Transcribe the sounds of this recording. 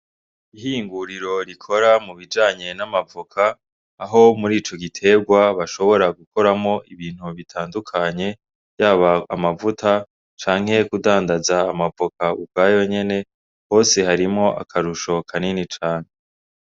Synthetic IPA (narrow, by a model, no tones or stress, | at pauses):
iɦiːŋɡuɾiɾo̞ɾikʰo̞ɾamuβid͡ʒaːɲe̞namavukʰaː | ɦo̞muɾiːt͡ʃo̞ɡitʰe̞bɡwaβaʃo̞βo̞ɾaɡuko̞ɾamo̞ʔiβiːn̥huβitʰaːndukʰaɲe̞ | jaːβaːmavutʰa | t͡ʃaːŋ̥ɦe̞kudaːndazaːmavokʰaubɡaːjo̞ɲe̞ne̞ | ho̞ːse̞haɾimŋo̞ʔa̰kʰaɾuʃo̞kʰaninit͡ʃaːɲ̥e